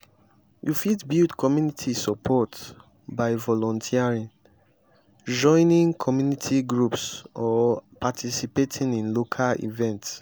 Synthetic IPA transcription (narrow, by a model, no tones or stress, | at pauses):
jufidbildkʰɔmjunitʰisɔpʰɔt | baɪvɔlɔ̃ntʰiaɹĩn | d͡ʒɔ̃ɪ̃nĩŋkʰɔmjunitʰiɡɹupsɔpatʰisipetʰĩŋĩnlokʰalḭvɛ̃nts